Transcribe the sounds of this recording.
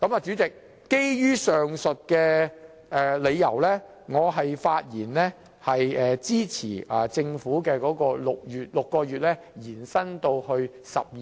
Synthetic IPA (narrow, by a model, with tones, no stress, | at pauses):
kɐ˨˥maː˨˧t͡ʃy˨˥t͡sɪ˨k̚ː | e˥jjyː˥sœː˨ŋsɵ˨t̚kɛː˧ | ɛː˨le˨˧jːɐ˨˩wlɛː˥ | ŋɔː˨˧ɦɐ˨jfaː˧t̚jiː˨˩nlɛː˥ | hɐ˨jɛː˨t͡siː˥t͡sʰiː˨˩ʔaː˨t͡sɪ˧ŋfuː˨˥kɛː˧kɔː˨˥kɔː˧lʊ˨k̚jyː˨t̚lʊ˨kːɔː˧ɥyː˨t̚lɛː˥ | jiː˨˩nsɐ˥nt̪o˧whɵ˧ɥ | sɐ̰˨p̚j